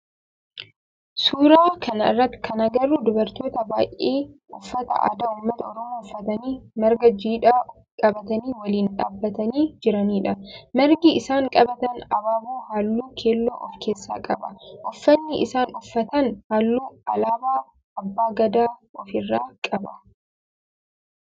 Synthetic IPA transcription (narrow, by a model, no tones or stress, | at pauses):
suːɾaːkʰɐnɐɪrːɐt̪ːɪ̥kʰɐnɐɡɐrːud̪ʊbɐɾt̪oːt̪ɐbaːʔeːʔʊfːɐt̪ɐ̰ʔa̰ːd̪aʊmːɐt̪ɐɔɾɔmoːʊfːɐt̪ɐniːmɐɾɡɐd͡ʒiːᶑaː | kʼɐbɐt̪ɐniːwɐliːnᶑa̰ːbːɐt̪ɐniːd͡ʒɪɾɐniːᶑɐmɛɾɡiɪsaːŋkʼɐbɐt̪ɐnɐbaːbuːhaːlːuːkʰeːlːo̰ːʔɔfkʰe̞ːsːa̰ːkʼɐbɐʔʊfːɐnːɪʔɪ̰saːnʊfːɐt̪ɐnhaːlːuːɐlaːbaː | ɐbːaːɡɐd̪aːɔfɪrːaːkʼɐbɐ